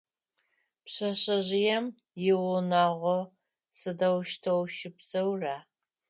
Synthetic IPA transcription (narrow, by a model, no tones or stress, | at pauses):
pɕɐɕɐʑɪjɛm | jɪwʊnaːʁʷɔ | sɨdɐwʃtʰɐwʃɪpsɐwraː